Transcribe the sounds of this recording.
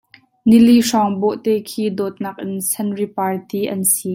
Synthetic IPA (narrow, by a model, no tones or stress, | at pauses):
niliʂɔŋbɔʔt̪ɛːkʰiːd̪ɔt̪̚nɐk̚ʔɪnsʰɐnripart̪iːʔɐnsiː